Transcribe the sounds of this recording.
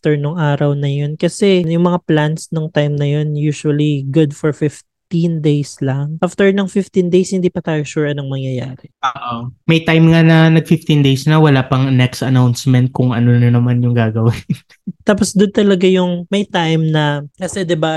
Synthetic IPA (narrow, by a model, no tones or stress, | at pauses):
ft̪ɛɹnʊŋʔaːɾɐwnɐjo̞nkɐsɛjʊŋmɐŋaplansnoŋt̪ajmnɐjo̞njuːʃuwɐliɡʊd̪fɔɹfɪf | t̪ind̪ejslɐŋʔaft̪ɛɹnɐŋfɪft̪ind̪ejshɪnd̪iːpɐt̪aːjoʃuːɹɐnɐŋmɐŋjɐjaːɾɛʔoʔomɐjt̪ajmŋanɐnɐɡ̚fɪft̪ind̪ejsnɐwɐlaːpɐŋnɛkst̪ɐnawnsmɛnt̪̚kʊŋʔɐ̰nonɐnɐmanjʊŋɡaːɡɐwɪn | t̪aːposd̪ʊnt̪ɐlɐɡajʊŋmɐjt̪ajmnɐkɐsɛd̪ɪba